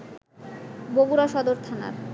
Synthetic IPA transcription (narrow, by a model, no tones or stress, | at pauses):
bobuɾaʃɔd̪oɾt̪ʰana̰ɾ